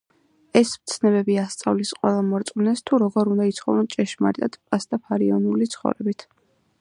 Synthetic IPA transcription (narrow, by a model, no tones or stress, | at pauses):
ɛsmt̪sʰnɛbɛbiast̪sʼavlisqʼwɛlˠamɔɾt̪sʼnɛst̪ʰuɾɔɡɔɾund̪ait̪sʰχɔ̰vɛnt͡ʃʼɛʃma̰ɾt̪ʼat̪ʼpʼasd̪apʰaɾiɔnulit̪sʰχɔ̰ɾɛbit̪ʰ